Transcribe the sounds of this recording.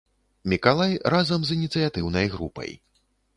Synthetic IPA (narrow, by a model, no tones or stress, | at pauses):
mʲikalˠajrazɐmzinʲit̪sɨjat̪ɨwnɐjɣɾupɐ̰j